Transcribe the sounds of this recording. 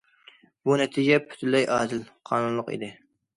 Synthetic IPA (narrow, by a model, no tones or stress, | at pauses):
bunɛt̪ʰid͡ʒʲɛpʰy̥t̪ʰɪlːɛjʔɑːd̪ɪlqʰɑːnunlˠʊqḛd̪ɪ